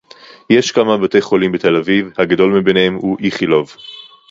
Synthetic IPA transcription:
jeʃkamabate̞jχo̞limbet̪e̞lavivhaɡado̞lmibenehemhuʔiχilo̞v

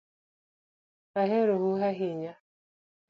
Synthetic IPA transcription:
aɦeɾohuɦaɦeɲa

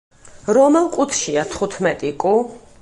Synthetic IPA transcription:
ɾɔmɛlˠkʼut̪ʰʃiat̪ʰχut̪ʰmɛt̪ʼikʼu

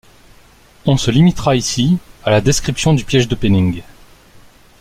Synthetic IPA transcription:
ɔ̃səlimit̪χaisialad̪eskχipsjɔ̃d̪ypjɛʒd̪əpenĩŋɡ

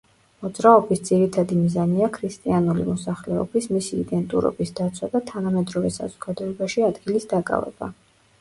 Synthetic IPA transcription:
mɔd̪zɾaɔbisd̪z̥iɾit̪ʰad̪imizaniakʰɾist̪ʼianulḭmɔsaχlɛɔ̰bismisiːd̪ɛnt̪ʼṵɾɔ̰bisd̪at̪sʰwad̪at̪ʰanamɛd̪ɾɔvɛsa̰zɔɡad̪ɔɛbaʃiad̪ɡilisd̪akʼa̰vɛ̰ba̰

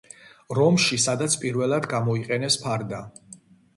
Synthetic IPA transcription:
ɾɔmʃisad̪at̪sʰpʼiɾvɛlˠad̪ɡamɔiqʼɛnɛspʰaɾd̪a

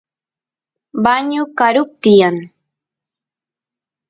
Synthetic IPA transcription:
baɲʊkaɾʊp̚t̪ɪjaŋ

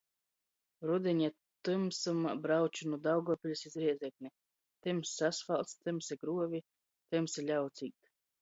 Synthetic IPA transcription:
ɾud̪ʲiɲa | t̪ɨmsɨmbɾawt͡ʃunud̪awɡɔɔpʲilʲusizɾiɛzʲɛkni | t̪ɨmsːasfalˠt̪st̪ɨmsiɡɾuɔvʲi | t̪ɨmsilʲawt̪siːk̚t̪

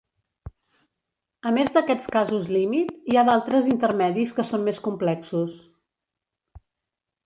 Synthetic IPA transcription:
əmezd̪əkɛt͡skazuzlimit̪iaðalˠt̪ɾəzint̪əɾmɛðiskəsonmeskumplɛksus

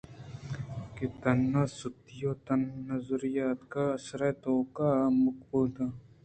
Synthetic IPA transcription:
ket̪ɐnːasʊt̪ɪjoːt̪ɐnːɐzɾɪjaːt̪kaɐsɾet̪oːkamʊk̚buːd̪a

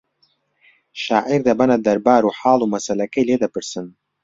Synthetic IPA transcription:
ʃaːʔiɾd̪ɐbɐnɐd̪ɐɾbaːɾuħaːlˠumɐsɐlɐkɐjleːd̪ɐpɨɾsɨn

